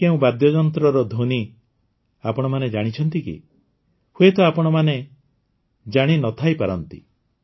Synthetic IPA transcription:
keũbad̪jɔd͡ʒɔnt̪ɾɔɾɔd̪ʱoni | apɔɽ̃ɔmaned͡ʒaɽ̃it͡ʃʰɔnt̪ikḭ | huet̪ɔapɔɽ̃ɔmane | d͡ʒaɽ̃inɔt̪ʰajpaɾɔnt̪ḭ

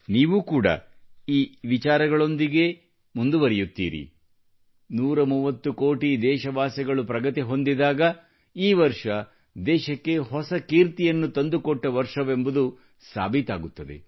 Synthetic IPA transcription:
niːʋuːkuːɽɐ̰iːʋit͡ʃaːɾɐɡɐɭo̞nd̪iɡe̞ | mund̪uʋɐɾɛjut̪ːḭːɾḭ | nuːɾɐmuːʋɐt̪ːukoːʈid̪ɛːʃɐʋaːsɛɡɐɭupɾɐɡɐt̪iɦo̞nd̪id̪aːɡɐ | iːʋɐɾʂɐ | d̪ɛːʃɐkːe̞ɦɔsɐkiːɾt̪ijɐnːut̪ɐnd̪ukɔʈːɐʋɐɾʂɐʋe̞mbud̪u | sa̰ːbʱit̪a̰ːɡut̪ːɐd̪e̞̰

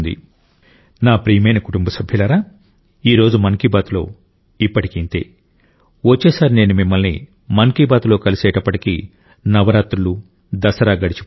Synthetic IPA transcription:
nd̪ḭ | naːpɾiːɐmɐjnɐkuʈumbɐsɐbʱjɐlɐɾaː | iːɾo̞ːd͡ʒumɐŋkibaːt̪ulo̞̰ː | ipːɐʈi̥kint̪e̞̰ː | ʋot͡ʃːɛːsaːɾne̞ːnumimːɐlnḭ | mɐŋkibaːt̪ulo̞ːkɐlisɛːʈɐpːɐʈiki | nɐʋɐɾaːt̪ɾulu | d̪ɐsɐɾaːɡɐɽit͡ʃi̥p

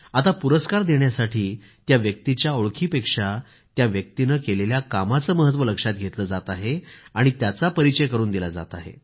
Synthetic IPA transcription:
at̪apuɾəskaɾd̪eɳjasaʈʰiː | t̪jaʋjək̚t̪it͡ɕjaoɭkʰiːpekʂa | t̪jaʋjək̚t̪inəkeleljakamat͡səːməɦət̪̬ːʋələkʂat̪̚ɡʱet̪ləd͡zat̪aɦeaɽ̃it̪jat͡sapəɾit͡ɕəjkəɾuːnd̪ilad͡za̰t̪aɦḛ

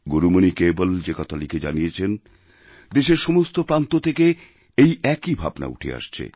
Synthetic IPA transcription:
ɡoɾumonikebold͡ʑekɔt̪ʰaliked͡ʑanijet͡ɕʰen | d̪eʃeɾʃɔmost̪opɾant̪ot̪ʰeke | ejɛkibʱabna̰ṵʈʰḛa̰ʃt͡ɕʰḛ

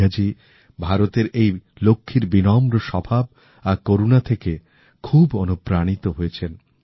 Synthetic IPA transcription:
ad͡ʑi | bʱaɾot̪eɾejlokʰːiɾbinɔmɾoʃɔbʱab̚ | akoɾunat̪ʰeke | kʰubonupɾaɽ̃it̪oɦoet͡ɕʰen

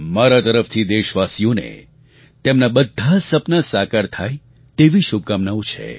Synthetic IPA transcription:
maɾat̪əɾəft̪ʰid̪eʃʋasijonḛ | t̪emnabəd̪ʱːasəpnasakaɾt̪ʰaj | t̪eʋiʃub̚kamnaot͡ʃʰḛ

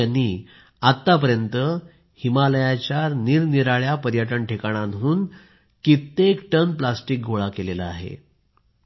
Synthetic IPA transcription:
anːi | at̪ːap̬əɾjənt̪ə | himaləjat͡ɕjaɾniɾniɾaɭjapəɾjəʈ̬əɳʈʰekaɽ̃anɦuːn | kit̪ːekʈənplasʈik̚ɡʱoɭakelelaaɦḛ

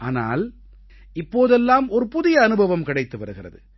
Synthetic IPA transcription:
ʔaːna̰ːl | ɪpːoːðɛlːaːmɔɾɯpʊðɪjɐːnɯbʱɐʋɐmkɪɽɐɪt̪ːɯʋɐɾɯɣɪrɐ̰ðɯ

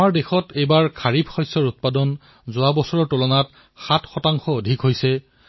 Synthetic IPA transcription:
amaɹdexɔtejbaɹkʰaɹibʱxɔjsɔɹut̚padɔn | zʊabɔsɔɹɔɹtulɔnat | xatʰxɔtaŋxɔodʱikɦojsɛ

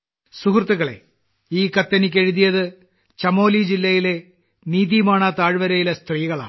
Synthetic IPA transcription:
sukrɨt̪ːuɣɐɭe̞̰ | iːkɐt̪ːɐnik̬ʲːeɻuðijɐðɨ | t͡ɕɐmo̞ːlid͡ʑilːɐjile̞ | niːðijumaːɳɐt̪aːɻʋɐɾɐjilɐst̪riːɣɐɭa̰ːɳɨ

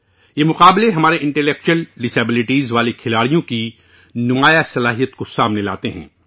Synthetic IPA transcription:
jeːmʊqaːbleɦɐmaːɾeʔɪ̃ɳʈelɛːk̚t͡ʃuəlɖɪseːbɪlɪʈiːzʋaːlekʰɪlaːɽijõki | nʊmaːjasɐlaːɦijət̪kosaːmnela̰ːt̪eɦɛ̃ː

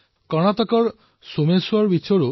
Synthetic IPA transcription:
kɔɽ̃at̪ɔkɔɾ | someswɔɾbit͡ʃʰɔɾu

